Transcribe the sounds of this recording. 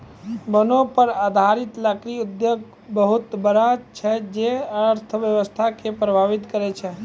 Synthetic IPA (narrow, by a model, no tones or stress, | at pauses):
bənõpəɾaːd̪ʱaɾɪt̪lakɾiʊd̪joːɡ | bəɦʊt̪bəɾat͡ʃʰɛd͡ʒeəɾt̪ʰəʋjəʋəst̪ʰakepɾəbʱaʋɪt̪kəɾet͡ʃʰɛ